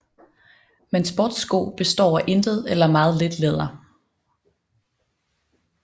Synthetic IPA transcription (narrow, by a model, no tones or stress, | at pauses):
mensb̥ɔd̥sɡ̥o̰ːb̥e̝sd̥ɒ̰ːæʔe̝nd̥ð̞̩ˠelɐmɑ̈ːð̞̩ˠle̝d̥leð̞ˠɐ